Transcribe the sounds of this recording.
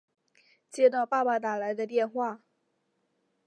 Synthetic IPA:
t͡ɕjɛ˥˧t̪ɑ˥˧ʊpa˥˩pa˨˩t̪a˨˩la˧˥ɪd̪ə˧t̪jɛ˥˧nxwa˥˩

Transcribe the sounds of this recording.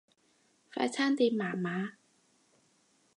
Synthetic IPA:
fɛ̰ː˧˥t͡ɕʰa˥˨nt̪i˧maː˨˦maː˨˦˥

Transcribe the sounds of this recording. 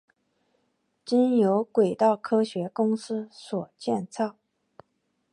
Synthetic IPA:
t͡ɕi˥njo˧˥ʊkwe˨˩ɪt̪ɑ˥˩ʊkʰɤ˥ɕɥɛ˧˥kʊ˥ŋsɹ̩˥swɔ˨˩t͡ɕjɛ˥˧nt͡sʰɑ˥˩ʊ

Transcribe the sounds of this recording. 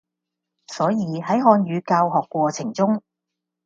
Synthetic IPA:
sɔː˨˥jiː˨˧ɦɐ˨˥jɦɔː˧nɥyː˨˧kaː˧wɦɔː˨kʷːwɔː˧t͡sʰɪ˨˩ŋt͡sʊ˥ŋ

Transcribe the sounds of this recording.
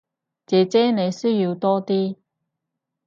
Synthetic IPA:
t͡sɛː˨t͡sɛː˥ne˨˧jsɵ˥ɥji˧wt̪ɔː˥t̪iː˥

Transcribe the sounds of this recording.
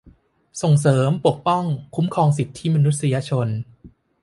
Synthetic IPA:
so˨˩ŋs̬ɤː˩˦mpu˨˩ək̚pɔ˥˩ŋkʰu˦˥mkʰɔː˧ŋsi˨˩t̪ʰːi˦˥˩ma˧nu˦˥t̪̚sa˧ja˧t͡ɕʰo˧n

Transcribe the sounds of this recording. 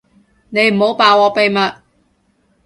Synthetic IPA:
ne˨˧jm̩˨˩ho˨˥wpaː˨˧wɔː˨˧pe˨jmɐ˨t̚

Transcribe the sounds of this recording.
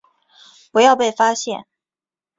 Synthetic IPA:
pu˧˥jɑ˥˧ʊpe˥˩ɪfa˥ɕjɛ˥˩n

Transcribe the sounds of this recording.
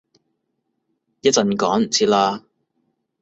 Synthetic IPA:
jɐ˥t̚t͡sɐ˨˧nkɔː˨˥ŋm̩˨˩t͡sʰiː˧˥laː˧

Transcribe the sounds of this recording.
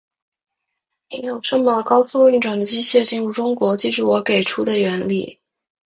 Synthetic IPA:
ni˧˥jo˨˩ʊʈ͡ʂɤ˥ŋmə˥˨˩kɑ˥ʊsu˥˧ŋy˥˩nʈ͡ʂwa˨˩nd̪ə˦t͡ɕi˥ɕjɛ˥˧t͡ɕi˥nɻu˥˩ʈ͡ʂʊ˥ŋkwɔ˧˥t͡ɕi˥˧ʂu˥˩wɔ˧˥ke˨˩ɪʈ͡ʂʰu˥d̪ə˨ɥɛ˧˥nlḭ˥˩

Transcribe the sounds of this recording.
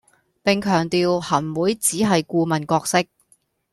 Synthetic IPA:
pɪ˨ŋkʰœː˨˩ŋt̪iː˨whɐ˨˩nwuː˨˥jt͡siː˨˥ɦɐ˨jkuː˧mɐ˨nkɔː˧k̚sɪ˥k̚

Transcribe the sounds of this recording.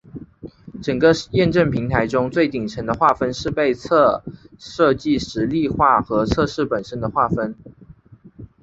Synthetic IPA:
ʈ͡ʂə˨˩ŋɡə˦jɛ˥˧nʈ͡ʂə˥˩ŋpʰi˧˥ŋt̪ʰa˧˥ɪʈ͡ʂʊ˥ŋt͡swe˥˩ɪt̪i˨˩ŋʈ͡ʂʰə˧˥nd̪ə˧xwa˥˩fə˥nʂɻ̩˥˧pe˥˧ɪt͡sʰə˥˧ʂɤ˥˧t͡ɕi˥˩ʂɻ̩˧˥li˥˧xwa˥˩xɤ˧˥t͡sʰɤ˥˧ʂɻ̩˥˩pə˨˩nʂə˥nd̪ə˨xwa˥˩fə˥n

